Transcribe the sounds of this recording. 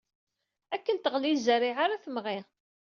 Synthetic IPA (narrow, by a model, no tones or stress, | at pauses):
ækːənt̪əʁlizəɾiʕaɾaθəmʁi